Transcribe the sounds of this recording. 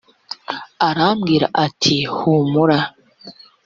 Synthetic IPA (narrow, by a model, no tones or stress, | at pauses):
aɾamɡiːɾa̰ʔatʰihumuɾa